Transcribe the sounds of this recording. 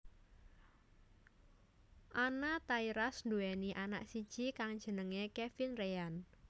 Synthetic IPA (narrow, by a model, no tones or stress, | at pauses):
ʔanat̪aiɾasnd̪uɛniʔana̰ksid̥ʒ̥ikaŋd̥ʒ̥ə̤nəŋekefɪnrean